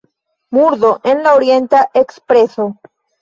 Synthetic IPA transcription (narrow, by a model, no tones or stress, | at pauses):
muɾdoʔenlaoɾje̞nt̪aʔekspɾe̞so̞